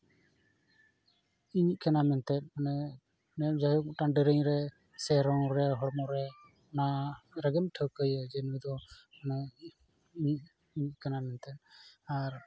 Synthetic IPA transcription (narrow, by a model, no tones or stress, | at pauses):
iɲic̚kanamɛnt̪ɛt̪̚ˀanɛ | nɛd͡ʒaɦuk̚ʈaɳɖəɾəɲɾɛ | sɛɾɔŋɾɛɦɔɽmɔɾɛ | naɾaɡɛmʈʰəkəjəd͡ʒɛnujd̪ɔna | iɲiʔ̚ | iɲic̚kanamɛnt̪ɛt̪̚ˀaɾ